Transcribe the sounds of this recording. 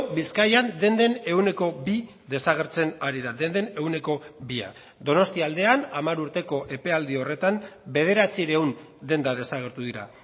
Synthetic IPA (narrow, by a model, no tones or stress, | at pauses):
biskajand̪e̞nd̪e̞ne̞wne̞ko̞bi | ðe̞saɣ̞e̞ɾt͡se̞naɾiðad̪e̞nd̪e̞ne̞une̞ko̞bia̰ | d̪o̞no̞st̪iald̪e̞anamaɾuɾt̪e̞ko̞ʔe̞pe̞ald̪io̞re̞t̪ambe̞ð̞e̞ɾat͡siɾeun | d̪e̞nd̪að̞e̞saɣ̞e̞ɾt̪uðiɾa̰